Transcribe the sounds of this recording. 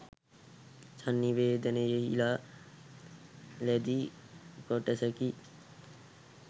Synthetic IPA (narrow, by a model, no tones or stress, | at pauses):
sɐnːiʋeːd̪ɐnejeɦilaː | led̪i | koʈesɐki